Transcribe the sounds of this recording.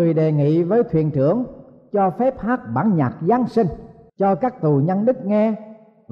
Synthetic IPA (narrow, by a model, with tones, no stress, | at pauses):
ɨ˨˩əjɗe˨˩ŋḭ˧˨vəː˨˦jt̪ʰwi˧˨ənt͡ɕɨ˧˩əŋ | t͡ɕɔ˧fɛ˦˥p̚haː˦˥k̚ɓaː˨˦nɲa̰ː˨˩k̚zaː˨˧˦ŋsï˧ŋ̟t͡ɕɔ˧kaː˦˥k̚t̪u˨˩ɲə˧nɗɨ˦˥k̚ŋɛ˧ | v